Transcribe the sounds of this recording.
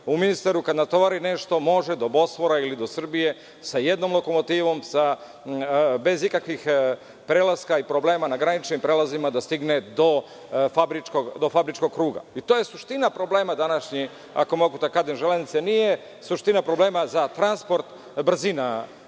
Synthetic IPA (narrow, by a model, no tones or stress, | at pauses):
uminist̪aɾukad̪nat̪o̞ʋaɾine̞ʃt̪o̞mo̞ʒed̪o̞bo̞sʋoɾailid̪o̞sr̩bije̞ | saje̞d̪no̞mlˠo̞ko̞mo̞t̪iːʋo̞msa | be̞zikakʋix | pɾeːlaskaipɾo̞ble̞ːmanaɡɾanit͡ʃnimpɾeːlazimad̪ast̪iɡne̞d̪o̞ | fabɾit͡ʃkoɡd̪o̞fabɾit͡ʃko̞ɡ̚kɾuːɡa̰it̪o̞ːje̞suʃt̪inapɾo̞bleːmad̪anaʃɲi | a̰ko̞moɡut̪akad̪enʒelenit̪senije | suʃt̪inapɾo̞ble̞ːmazat̪ɾanspo̞ɾt̪ | br̩zina